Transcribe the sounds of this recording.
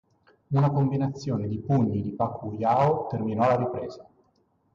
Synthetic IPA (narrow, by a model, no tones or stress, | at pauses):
nulakombinat̪sːjoːned̪ipuɲːid̪ipakʰujaːot̪erminɔlaɾipɾeːz̥a